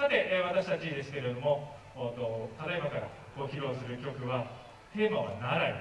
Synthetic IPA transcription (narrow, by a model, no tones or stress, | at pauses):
ad̪e̞ʔβat̪aɕi̥t̪at͡ɕid̪e̞sɨ̥ke̞ɾe̞d̪o̞mo̞ | t̪ot̪at̪aibakaɾa̰ | ɡo̞çʲiɾo̞ːsɨɾɯ̟kʲo̞kɯ̟βa | t̪e̞ːmaβa̰naɾai